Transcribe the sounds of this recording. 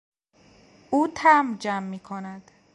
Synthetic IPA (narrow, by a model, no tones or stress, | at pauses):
ʔuːt̪ʰæmd͡ʒæmːiːkʰonæd̪̥